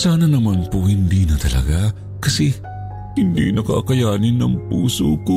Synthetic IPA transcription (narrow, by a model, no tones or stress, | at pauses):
saːnɐnɐmanpohɪnd̪inɐt̪ɐlɐ̰ɡa | kɐsɛ | hɪnd̪ḭnɐkɐʔɐkɐjaːnɪnːɐŋp̚ṵːsoko